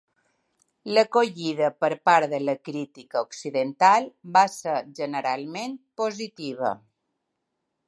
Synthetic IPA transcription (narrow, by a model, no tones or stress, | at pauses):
ləkoʎiðəpəɾpaɾðələkɾit̪ikəoksiðənt̪albasəɾʒənəɾalˠmenpozit̪iβ̞ə̰